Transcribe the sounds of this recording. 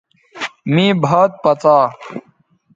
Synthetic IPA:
mĩːbʱaːt̪̚pɐt͡saː

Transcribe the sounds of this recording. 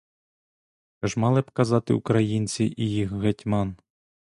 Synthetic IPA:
ɛʒmɑlˠɪbkɐzɑt̪ɪ̰ṵkɾɐjinʲt͡sʲiʔijixɣɐtʲmɑn

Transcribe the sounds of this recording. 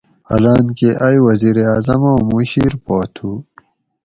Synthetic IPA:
ɐ̰laːnkeʔajwɐziːɾeaːzɐmowmuɕiːɾpoːt̪ʰuː

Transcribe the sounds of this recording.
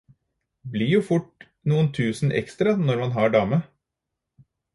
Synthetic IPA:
blɪjuːfʊʈ | nuːənt̪ʰʉːsn̩ʔɛ̰kst̪ɾɑnɔɾmɑnɦɑɖɑːmə

